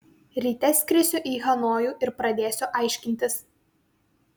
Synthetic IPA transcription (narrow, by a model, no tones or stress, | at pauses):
ɾʲiːt̪ʲɛsʲkʲɾʲɪsʲʊʔiːɣɐnoːjuːʔɪɾpɾɐd̪ʲeːsʲoːʔɐɪʃʲkʲɪnʲt̪ʲɪs